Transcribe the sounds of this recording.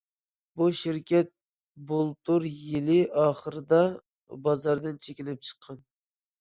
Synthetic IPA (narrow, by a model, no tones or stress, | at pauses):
buʃiɾkʲɛt̪̚ | bolˠt̪ʰuɾjilɪʔɑːχəɾɨd̪ɑ | bɑzɑɾd̪ɨnt͡ʃʰekʲinɪp̚t͡ʃʰə̥qʰːɑn